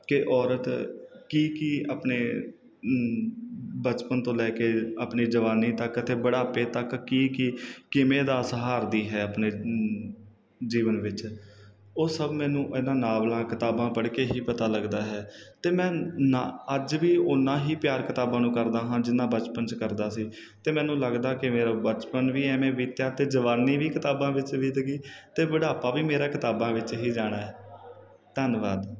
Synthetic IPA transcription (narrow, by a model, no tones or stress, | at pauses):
kɪʔɔːɾət̪kiːkiaːpneː | bət͡ʃpənt̪õːlɛːkeːəpniːd͡ʒəʋaːniːt̪əkət̪ʰeːbəɽaːpeːt̪əkːiːkiːkɪmẽːd̪aːsəɦaːɾd̪iːɦɛːəpneː | d͡ʒiːʋənʋɪt͡ʃ | oːsəbmɛ̃ːnũːʔɪnãːnaːblãːkɪt̪aːbãːpəɽkeːɦiːpət̪aːləɡd̪aːɦɛːt̪eːmɛ̃ːnaəd͡ʒʋiːʊnːãːɦiːpjaːɾkɪt̪aːbãːnũːkəɾd̪aːɦãːd͡ʒɪnːãːbət͡ʃpənt͡ʃkəɾd̪aːsiː | t̪eːmɛ̃ːnũːləɡd̪aːkɪmeːɾaːbət͡ʃpənʋiːɛːmẽːʋiːt̪jaːt̪eːd͡ʒəʋaːniːʋiːkɪt̪aːbãːʋɪt͡ʃʋiːd̪əɡiːt̪eːbəɽaːpaːʋiːmeːɾãːkɪt̪aːbãːʋɪt͡ʃɦiːd͡ʒaːɽ̃aːɛː | t̪ənʋaːd̪